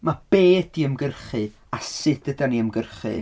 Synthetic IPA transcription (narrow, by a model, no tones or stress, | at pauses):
mab̥eːdiəmɡərχɨ | asɨd̥ədaniəmɡərχɨ̰